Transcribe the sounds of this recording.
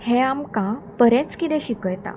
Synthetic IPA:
hẽamkãpəɾɛ̃t͡skit̪ɛ̃ɕikəjt̪a̰

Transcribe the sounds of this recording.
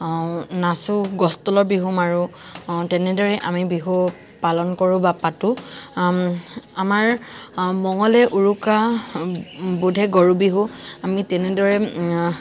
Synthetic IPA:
nasʊɡɔstɔlɔɹbiɦumaɹʊtɛnɛdɔɹɛʔamibiɦu | palɔnkɔɹʊ̃bapatʊ | amaɹmɔŋɔlɛʔuɹuka | budʱɛɡɔɹubiɦʊ̃amitɛnɛdɔɹɛ

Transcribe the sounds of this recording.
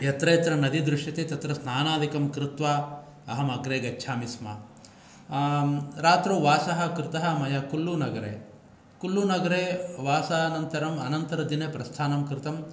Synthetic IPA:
jɐt̪ɾɐjːt̪ɾɐnɐd̪id̪ɾuʂjɐt̪et̪ɐt̪ɾɐsnaːnaːd̪ʱikɐmkɾɪt̪ʋaː | ɐɦɐmɐɡɾeːɡɐt͡ʃːʃʰaːmismɐ̰ | ɾaːt̪ɾoːʋaːsɐɦɐ̆kɾɪt̪ɐɦɐmɐjɐkulːunɐɡɐɾḛː | kulːuːnɐɡɐɾeːʋaːsaːnɐnt̪ɐɾɐmɐ̰nɐnt̪ɐɾɐd̪inepɾɐst̪ʰaːnɐmkɾɪt̪ɐm

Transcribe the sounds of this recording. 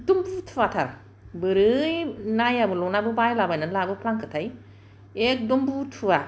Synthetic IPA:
dumbutʰuatʰa̰ɾ | bɯɾɯjnajabɯlɔnabɯbajlabajnɯnlabɯpʰlaŋkʰɯtʰaj | ek̚dumbutʰuwa

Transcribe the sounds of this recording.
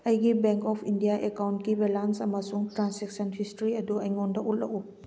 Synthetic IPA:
ɐjɡibeŋkɔpʰindijaʔekawntkibelansɐmɐsuŋtɾanseksɐnhʰistɾiɐduɐjŋondɐʔullɐ̰ʔu

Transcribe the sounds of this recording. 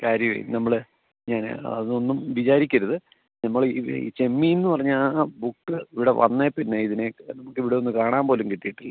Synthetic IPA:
kaːɾjɐmḛnɐmːɐɭɨ | ɲaːnɐ̰ðɨo̞nːumʋit͡ɕaːɾikʲːɐɾɐðɨ | nɐmːɐɭḭt͡ɕe̞mːijenːɨpɐrɐɲːaːbukːɨiʋiɽɐʋɐ̰nːepinːeiðinenɐmukːiʋiɽeonːɨkaːɳaːmpo̞ːlumkiʈ̪ːijiʈːilːɐ

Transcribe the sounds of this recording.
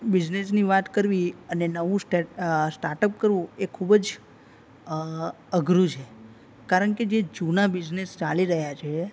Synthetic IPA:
bid͡ʒnesniʋat̪kəɾʋiənenəʋũsʈesʈaɾʈəp̚kəɾʋũekʰubəd͡ʒ | əɡɾũt͡ʃʰe | kaɾəɳked͡ʒed͡ʒunabid͡ʒnest͡ʃaliɾəɦjat͡ʃʰe

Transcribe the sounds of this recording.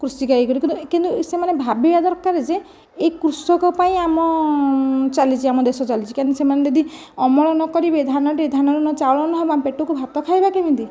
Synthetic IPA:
kɾusikaikɔɾikint̪ukint̪usemanebʱabibad̪ɔɾkːaɾed͡ʒeː | ikɾusɔkɔpaĩamɔ | t͡ʃalit͡ʃʰiamɔd̪esɔt͡ʃalit͡ʃʰi̥kansemaned̪ed̪i | ɔmɔɭɔnɔkɔɾibed̪ʱanɔʈied̪ʱanɔɾɔnɔt͡ʃaɔɭɔnɔɦɔbampeʈɔkubʱat̪ɔkʰajbakebint̪i

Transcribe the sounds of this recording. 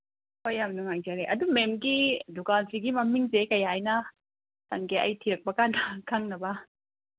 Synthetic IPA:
kojamnuŋajzaɾeʔɐdumemɡidukansiɡimɐmiŋzekɐjajnɐ | tɐŋkeʔɐ̰jtʰiɾɐk̚pɐkanɐkʰaŋnɐbɐ

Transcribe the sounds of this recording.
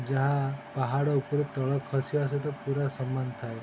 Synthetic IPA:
d͡ʒaɦapaɦaɽɔupɔɾet̪ɔɭɔkʰːɔsijaset̪ɔpuɾasɔmːant̪ʰaj

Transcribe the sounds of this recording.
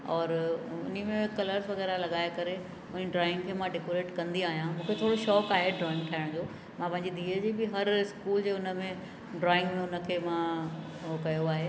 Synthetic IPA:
ɔːɾʊ̰nimẽkɐləɾzʋɐɣɛːɾalɐɠaːɪkɐɾe | ʊnəɖɾɔːɪ̃ŋɡkʰeːmãɖɪkoɾeːʈkɐ̃nd̪iaːɦijãmũːkʰet̪ʰoːɽoʃɔːkaːɦeɖɾɔːɪ̃ŋɡt̪ʰaːɪɽ̃d͡ʑoː | mãpɐ̃ɦɪ̃ɲd͡ʑid̪ʱiːəd͡ʑiːbɪɦɐɾɪskuːld͡ʑeːʊnə̆mẽ | ɖɾɔːɪ̃ŋɡmẽʊnə̆kʰeːmã | kɐjoaːɦe

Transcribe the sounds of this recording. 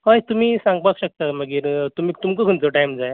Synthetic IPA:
ɦəjt̪um̤iːsãŋɡ̚pakɕək̚t̪aməɡiːɾt̪um̤iːt̪umkəkʰənt͡səʈajmd͡zae

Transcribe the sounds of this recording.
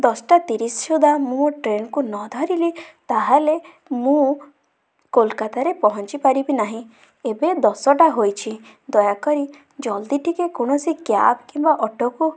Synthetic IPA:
d̪ɔsɔʈat̪iɾisʃud̪amũoʈɾenkunɔd̪ʱɔɾilit̪aɦale | mũ | kolkat̪aɾepɔɦɔnt͡ʃipaɾibinaɦĩ | ebed̪ɔsɔʈaɦojt͡ʃʰid̪ɔjakɔɾi | d͡ʒɔld̪iʈʰikekoɽ̃ɔsikja̰bkĩmbaʔɔʈɔku

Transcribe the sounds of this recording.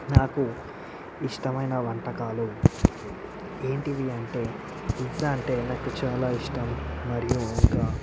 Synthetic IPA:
naːku | iʂʈɐmɐjnɐʋɐɳʈɐkaːlu | e̞ːɳʈiʋiɐɳʈe̞ː | izaːɳʈe̞ːnaːkut͡ʃaːlaːiʂʈɐmːɐɾijuɔŋkaː

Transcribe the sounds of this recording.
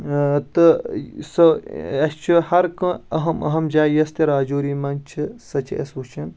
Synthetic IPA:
t̪ɨsɐɐst͡ʃʰuhɐɾkɐ̃ɐɦɐmɐ̰ɦɐmd͡ʒaːjɐst̪ɐɾaːd͡ʒoːɾiːmɐnt͡ʃʰɨsɐt͡ʃʰɐ̰ɐ̰sut͡ʃʰɐn

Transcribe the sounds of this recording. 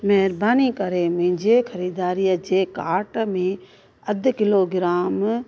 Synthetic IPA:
mɛɦɾbaːnikɐɾemɪ̃ɪ̃ɲd͡ʑeːxʰɐɾiːd̪aːɾiːjəd͡ʑeːkaːɾʈmẽ | ɐd̪ʱkɪloːɡɪɾaːm

